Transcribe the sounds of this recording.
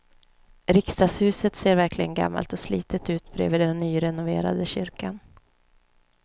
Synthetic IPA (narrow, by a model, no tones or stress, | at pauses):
ɾɪkst̪aːshʉ̟ːsət̪seːɾvæɾkʰlɪɡənɡa̰mːa̰lt̪ɔslḭːt̪ət̪ʉ̟ːt̪bɾḛːviːd̪ɛnːyːɾɛnʊvḛːɾa̰d̪əɕʏɾkan